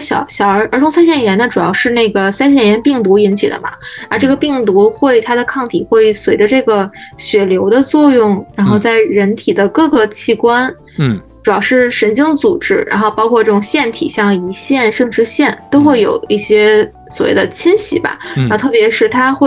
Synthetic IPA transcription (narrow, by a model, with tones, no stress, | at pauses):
ɕjɑ̰˨˩ʊɕjɑ˨˩ʊə˧˥ʔə˞˧˥tʰʊ˧˥ŋs̬a˥nɕ̬jɛ˥˩njɛ˧˥nə˧ʈ͡ʂu˨˩jɑ˥˧ʊʂɻ̩˥˧ne˥˩ɡə˩sa˥nɕ̬jɛ˥˩njɛ˧˥npi˥˩ŋt̪u˧˥i˧˥nt͡ɕʰḭ˨˩d̪ə̰˦mɐ̰˩ə˧˥ʈ͡ʂɤ˥˩ɡə˩pi˥˩ŋt̪u˧˥xwe˥˩ɪt̪ʰa˥d̪ə˨kʰɑ˥˩ŋt̪ʰi˨˩xwe˥˩ɪ˥swe˧˥ɪʈ͡ʂə˧ʈ͡ʂɤ˥˩ɡə˩ɕɥɛ˨˩ljo˧˥ʊd̪ə˧t͡swɔ˥˧jʊ˥˩ŋɻa˧˥nxo˥˧ʊt͡sa˥˩ɪɻə˧˥nt̪ʰi˨˩d̪ə˦kɤ˥˩ɡə˩t͡ɕʰi˥˩kwa˥n | ʈ͡ʂu˨˩jɑ˥˧ʊʂɻ̩˥˩ʂə˧˥nt͡ɕi˥ŋt͡su˨˩ʈ͡ʂɻ̩˥ɻa̰˧˥nxo˥˧ʊpɑ˥ʊkʰwɔ˥˧ʈ͡ʂɤ˥˩ʈ͡ʂʊ˨˩ŋɕjɛ˥˩nt̪ʰḭ˨˩ɕjɑ˥˩ŋi˧˥ɕjɛ˥˧nʂɤ˥˧˩ŋʈ͡ʂɻ̩˧˥ɕjɛ˥˩nt̪o˥ʊxwe˥˩ɪjo̰˨˩ʊi˥˩ɕjɛ˥ | swɔ˨˩wḛ˥˩d̪ə˨˩t͡ɕʰi˥nɕḭ˧˥bɐ̰˩ɻa˧˥˧t̪ʰɤ˥˩pjɛ˧˥ʂɻ̩˥˩t̪ʰa˥xwe˥˩